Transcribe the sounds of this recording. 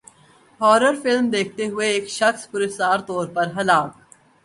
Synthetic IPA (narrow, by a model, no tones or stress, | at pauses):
ɦɔːɾəɾfɪlmd̪eːk̚ʰt̪eɦʊeːkʃɐxspʊɾest̪aːɾt̪ɔːɾpɐɾɦɐlaːk